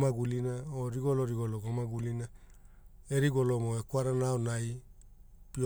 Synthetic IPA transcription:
maɡulinaoɾiɡoloɾiɡoloɡomaɡulina | eɾiɡolomoekwaɾanaonaj | pio

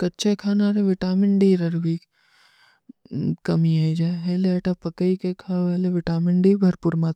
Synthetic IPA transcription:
kɐtːt͡ʃʰekʰaːnaːɾeʋɪʈaːmɪɳɖiɾɐɾɡi | kɐmiaid͡ʒaɦeːleɐʈapɐkəikekʰaːeːleʋɪʈaːmɪɳɖibʱɐɾpuɾmat̪

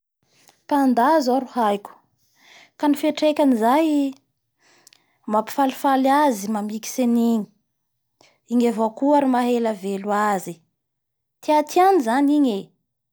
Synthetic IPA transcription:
pand̪azoɾuhajkʲu̥ | kanifeʈ͡ʂekʲanizaj | mapi̥falifalazimamiki̥seniɲi̥ | iɲevokuaɾimaɦelaveluazi | t̪iat̪ianizaniɲe

